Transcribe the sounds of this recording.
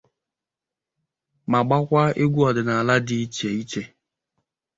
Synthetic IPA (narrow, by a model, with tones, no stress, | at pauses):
ma˨ɡ͡ba˦kʷa˦e˦ɡʷu˦ɔ˨dɪ˨na˨a˨la˦di˦i˦t͡ʃe˨i˦t͡ʃe˦